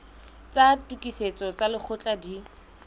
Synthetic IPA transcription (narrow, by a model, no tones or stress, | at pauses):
t͡satʼukʼiset͡sɔt͡salɪk͡xʰʊt͡ɬʼadi